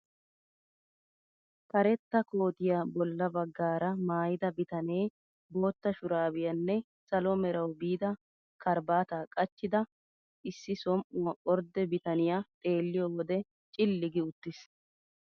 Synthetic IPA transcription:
kɐɾɛt̪ːɐko̞ːt̪ɪjabɔlːɐbɐɡːaːɾɐmaːjɪd̪ɐbɪt̪ɐne̞ː | bo̞ːt̪ːɐʃʊɾaːbɪjɐnːɛ | sɐlɔmɛɾɐwbiːd̪ɐ | kʰɐɾbaːt̪aːkʼɐt͡ʃːɪd̪ɐ | ʔɪsːɪsɔmʔʊwɐʔɔɾd̪ɛbɪt̪ɐnɪjat̪ʼe̞ːlːɪjoːwɔd̪ɛ | t͡ʃʼɪlːɪɡɪʊt̪ːɪs

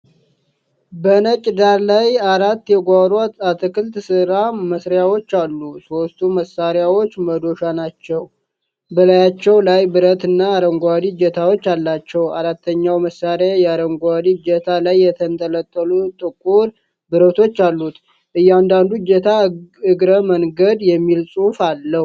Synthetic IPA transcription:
bənət͡ʃʼɪd̪aɾlajaɾat̪ːjɛɡʷaɾat̪at̪ʰɨkʰɨlt̪sɨɾaməsɾjawo̞t͡ʃːalːuso̞st̪ʰuməsaɾjawo̞t͡ʃːməd̪o̞ʃanat͡ʃːɛw | bəlajat͡ʃːɛwlajbɨɾət̪ɨnːaːɾəŋɡʷad̪id͡ʒɛt̪ʰawo̞t͡ʃːalːat͡ʃːɛwaɾat̪ʰːəɲːawməsːaɾjajɛaɾəŋɡʷad̪id͡ʒɛt̪ʰalajːɛt̪ʰənt̪ʰʼələt̪ʼːəlut̪ʼɨkʼːuɾ | bɨɾət̪ʰo̞t͡ʃːalːut̪ | ʔɨjːand̪and̪ud͡ʒɛt̪ʰaɨɡɾəməŋɡəd̪jɛmːilsʼufalːə

